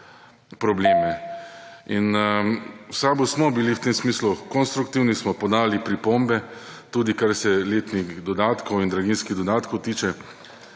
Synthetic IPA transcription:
pɾɔbleːmɛ | in | wsaːbusmɔbiliwt̪emsmiːslukɔnst̪ɾukt̪iwnismɔpɔd̪aːlipɾipombɛ | t̪uːd̪ikaɾsɛleːt̪nixd̪ɔd̪aːt̪kɔwind̪ɾaɡinskiɣd̪ɔd̪aːt̪kʰɔwt̪iːt͡ʃɛ

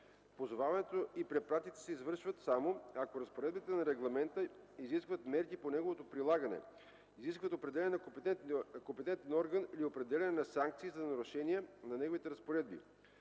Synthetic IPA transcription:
pozovavɐnɛt̪oipɾɛpɾat̪it̪ɛ̥sɛizvɤɾʃvət̪samoakoɾɐspoɾɛd̪̚bit̪ɛnɐɾɛɡlˠɐmɛnt̪əiziskvət̪mɛɾkiponɛɡovot̪opɾilˠaɡənɛ̰ | iziskvət̪opɾɛd̪ɛlʲɛnɛn | kompɛt̪ɛnt̪ɛnɔɾɡəniliopɾɛd̪ɛlʲɛnɛnɐsaŋk̚t̪siːzɐnɐɾʊʃɛnijɛnɐnɛɡovit̪ɛɾɐspoɾɛd̪̚bḭ

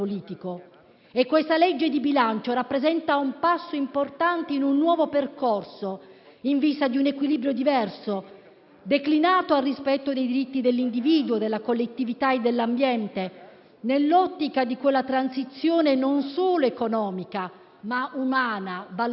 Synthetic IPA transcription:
oliːt̪iko | ekːwest̪alɛd͡ʒːed̪ibilant͡ʃoɾapːɾezɛnt̪aumpasːoimport̪ant̪einunːwɔːvoperkorso | iɱvist̪ad̪iunekwiliːbɾjod̪ivɛrso | d̪eklinaːt̪oalrispɛt̪ːod̪ejd̪iɾit̪ːid̪elːind̪iviːd̪uod̪elːakolːet̪ːivit̪aed̪ːelːambjɛnt̪e | nelːɔt̪ːikad̪ikwelːat̪ɾansit̪sːjoːnenonsoːloekonɔːmika | maʔumaːnava

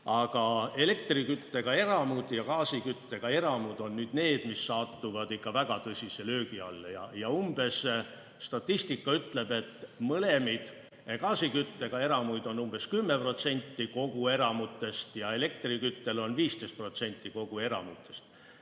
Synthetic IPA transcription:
ɑɡ̥ɑe̞le̞k̚t̪rikyt̪ːe̞ɡ̥ɑe̞ɾɑmud̪̥jɑkɑːsikyt̪ːe̞ɡ̥ɑe̞ɾɑmud̪̥o̞nːnyːd̪ne̞ːd̪̥misːɑːt̪ːuvɑd̪̥ikːɑvæɡ̥ɑt̪ɤsʲise̞lø̞ːɡiɑlːjɑ̰jɑumb̥e̞s | st̪ɑt̪ːˑist̪ikːˑɑyt̪ˑle̞be̞t̪ːmɤle̞mid̪̥ | kɑːsikyt̪ːe̞ɡ̥ɑe̞ɾɑmujd̪̥o̞numb̥e̞skymːe̞pro̞t̪se̞nʲt̪ːiko̞ɡ̥ue̞ɾɑmut̪ːe̞st̪jɑe̞le̞k̚t̪rikyt̪ːe̞lo̞nviːst̪e̞jst̪prot̪se̞nʲt̪ːˑiko̞ɡ̥ue̞ɾɑ̰mut̪ːˑe̞st̪

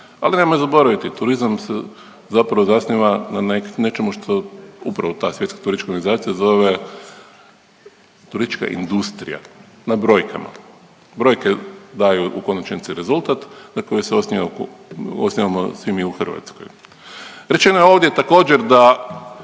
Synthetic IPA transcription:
alinemojezabo̞ɾaʋit̪it̪uɾizamse | zapɾaʋozasnʲiʋananekne̞t͡ʃe̞muʃt̪ʰo̞upɾaʋo̞t̪aːsʋje̞t̪kḁt̪uɾisit͡ʃkaoɾɡanizaːt̪sijazo̞ʋe | t̪uɾist̪i̥t͡ʃka̰ʔḭnd̪ust̪ɾḭja̰ | nabɾo̞jkʰa̰ma̰ | bɾo̞jked̪ajuʔuko̞nat͡ʃent̪siɾe̞zulˠt̪at̪nakojoseosnʲia | osniʋamo̰sʋimiuxr̩ʋa̰t̪sko̰j | ɾe̞t͡ʃe̞nojeoʋd̪jet̪ako̞ːd͡ʒeɾd̪a

